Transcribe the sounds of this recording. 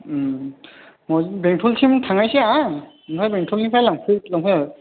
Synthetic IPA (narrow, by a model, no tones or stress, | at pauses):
mɔbɛŋtʰultʰimtʰaŋajsɛa | pʰajbɛŋtʰulʰimpʰajlaŋpʰulaŋpʰɔa